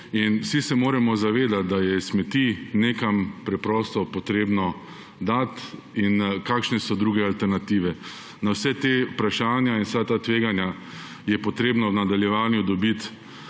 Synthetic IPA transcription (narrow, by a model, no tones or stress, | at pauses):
insisɛmoːɾɛmɔzaʋeːd̪at̪̚d̪ajɛsmɛt̪ineːkampɾɛpɾɔːst̪ɔpɔt̪ɾeːbnɔ | d̪at̪ | inkaːkʃnɛsɔd̪ɾuːɡɛalt̪ɛɾnat̪iːʋɛ | nawsɛt̪epɾaʃaːnjainsat̪at̪ʋeːɡanja | jɛpɔt̪ɾeːbnɔwnad̪aljɛʋaːnjud̪ɔbit̪